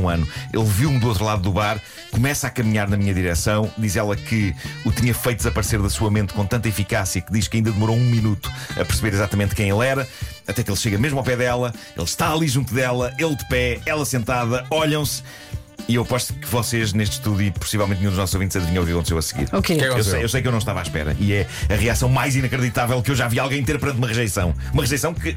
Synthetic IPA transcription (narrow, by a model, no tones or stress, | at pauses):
ũɐnuelˠviwmd̪uot̪ɾulˠaðuðuβaɾ | kumɛsakɐmiɲaɾnɐmiɲɐðiɾɛsɐ̃w̃d̪izɛlˠɐkʰɨut̪iɲɐfɐjt̪d̪zɐpɐɾseɾðɐsuɐmẽnt̪̚kõt̪ɐ̃nt̪̬ɐifikasiɐkɨðiʃkɐĩnd̪ɐðɨmuɾoũminut̪u̥ɐ̰pɨɾsβeɾizat̪ɐmẽnt̪̚kɐ̃j̃elˠɛɾɐ | ɐt̪ɛkelˠʃeɣɐmeʒmawpɛðɛlˠɐ | ḛlˠʃt̪aːlˠiʒũnt̪uðɛlˠɐelˠd̪ɨpɛɛlˠɐsẽnt̪aðɐɔʎɐ̃w̃s | iewpɔʃt̪kɨvɔseʒneʃt̪ʃt̪uðjuipu̥sivɛlˠmẽt̪nɲũd̪uʒnɔsu̥zovĩnt̪zɐðviɲoviɾɐkõsewɐsɨɣḭɾokekɛkewewsɐjkewnɐ̃w̃ʃt̪ava̰ʃpɛ̰ɾɐ̰ʔiɛɐʁiasɐ̃w̃majzinɐkɾɨðit̪avɛlˠkewʒavialˠɐ̃j̃d̪t̪eɾpɨɾɐ̃nt̪umɐʁɨʒɐjsɐ̰̃w̃ | umɐʁɨʒɐjsɐ̃w̃kɨ